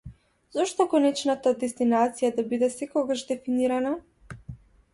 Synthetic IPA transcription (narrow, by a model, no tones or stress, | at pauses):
zɔʃt̪ɔkɔnɛt͡ʃnat̪ad̪ɛst̪inat̪sijad̪abid̪ɛsɛkɔɡaʒd̪ɛfiniɾana